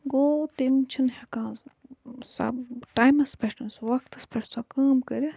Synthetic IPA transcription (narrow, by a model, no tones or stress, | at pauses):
ɡoːt̪imt͡ʃʰinhɐkãː | sɐ̰bʈaːjmɐspʰʲɐʈʰɐnsʋɐk̚t̪ɐspʰɐʈʰsɐkaːmkɐɾi